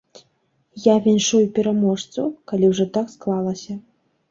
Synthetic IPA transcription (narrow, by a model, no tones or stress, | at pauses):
javʲɛnʂujupʲɛɾamɔʂt̪sukalʲiwʐɔt̪aksklˠalˠɐsʲɐ